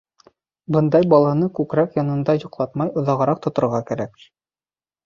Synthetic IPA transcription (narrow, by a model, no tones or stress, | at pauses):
bɤnd̪ɑjbɑlˠɑnɤkʉkɾækjɒnɤ̆nd̪ɑjŏqlˠɑt̪mɑjŏðɑʁɤ̆ɾɑq̚t̪ŏt̪ŏɾʁɑkæɾæk